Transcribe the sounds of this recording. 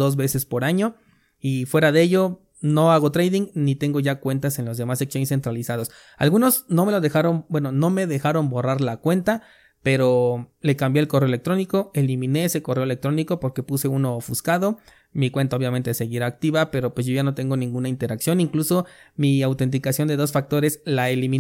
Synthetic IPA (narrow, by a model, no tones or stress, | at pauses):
o̞zβe̞se̞spo̞ɾaɲo̞ | ifwe̞ɾaðeeʝo̞ | no̞aɣ̞ot̪ɾejðiŋnit̪e̞ŋɡo̞ʝakwe̞nt̪ase̞nlo̞zðe̞maseksonese̞nt̪ɾalisaðo̞s | a̰lɣuno̞zno̞me̞lo̞ðe̞xaɾo̞nbwe̞no̞no̞me̞ðe̞xaɾo̞mbo̞raɾlakwe̞nt̪a | pe̞ɾo̞le̞kambje̞elko̞reoelekt̪ɾoniko̞e̞limĩne̞eseko̞re̞olek̚t̪ɾo̞niko̞po̞ɾke̞puse̞uno̞fuskaðo̞ | mikwe̞nt̪ao̞βjamẽ̞nt̪e̞se̞ɣiɾaːk̚t̪iβape̞ɾo̞pwe̞s̬zʝo̞ʝano̞t̪e̞ŋɡo̞nĩŋɡunaint̪e̞ɾaksjo̞niŋkluso̞miawt̪e̞nt̪̬ikasjo̞nd̪e̞ðo̞sfak̚t̪o̞ɾe̞slaelimĩ